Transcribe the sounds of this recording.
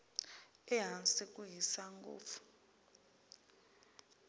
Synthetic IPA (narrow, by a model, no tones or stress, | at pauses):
ɛɦansikʼuɦisaŋɡo̰ːfu̥